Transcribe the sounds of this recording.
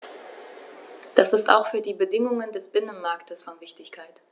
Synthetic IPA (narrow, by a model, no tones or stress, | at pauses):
d̥asɪsta̰ʊxfyːɐdiːbədɪŋʊŋəndɛsb̥ɪnənmaɐktʰəsfɔnvɪçtɪçkʰaɪt